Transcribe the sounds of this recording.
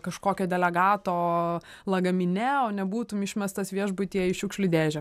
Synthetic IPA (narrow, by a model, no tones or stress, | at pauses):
kɐʃkoːkʲɛːd̪ʲɛlʲɛɡɑːt̪oːlˠɐɡɐmʲɪnʲɛoːnʲɛbuːt̪ʊmɪʃʲmʲɛst̪ɐsʋʲiɛʒbʊt̪ʲiɛɪʃʲʊkʃʲlʲʊd̪ʲeːʒʲɛ